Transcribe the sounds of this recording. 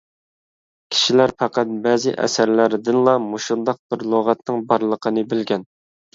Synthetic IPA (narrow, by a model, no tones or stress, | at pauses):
kʲʰi̥ʃilæɾpɑqɑt̪̚bæzɪ̰ʔɛ̰sæɾlæɾd̪ɪnlˠɑmoʃund̪ɑq̚b̥ɪɾlˠoʁɑt̪nɨŋbɑɾlˠəqʰənɨbɪlɡʲɛn